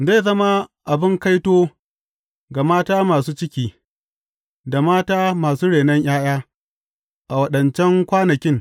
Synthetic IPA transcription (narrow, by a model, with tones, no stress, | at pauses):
za˦˨zɐ˦ma˦ʔa˨bɪ˦ŋka˦jtoː˦ | ɡa˨maː˦taː˦maː˨suː˦t͡ʃɪ˦kʲiː˨ | da˨maː˦taː˦maː˨suː˦ɽeː˨nɐ˦ɲʔj̰aː˦j̰aː˦ | ʔa˨wɐ˦ɗɐ˨nt͡ʃɛ˦ŋkʷaː˦nɐ˨kʲɪ˦ŋ